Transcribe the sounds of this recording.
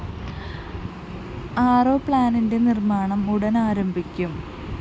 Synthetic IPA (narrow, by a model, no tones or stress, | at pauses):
aːroːpɭaːninde̞nirmaːɳɐmuɽɐnaːɾɐmbʱikʲːum